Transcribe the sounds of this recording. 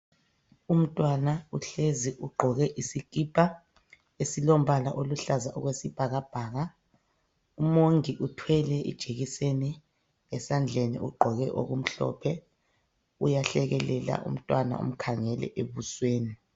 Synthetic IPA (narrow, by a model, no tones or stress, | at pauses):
um̩tʼwanauɬeziʔuɡ͡ǃʱɔɣɛʔisikʼipʰʼa | esilom̩βala̰ʔoluɬazaʔɔɣwesib̥ʱaɣab̥ʱaːɣa | umoŋiʔutʰwɛlɛʔḭd̥ʒ̥ʱeɣiseni | ɛsand͡ɮʱenḭʔuɡ͡ǃʱɔɣɛʔo̰ɣum̩ɬɔ̰pʰɛ | ujaɬɛɣɛlɛla̰ʔṵm̩tʼwana̰ṵm̩kʰaŋɛlɛ̰ʔeβusweːni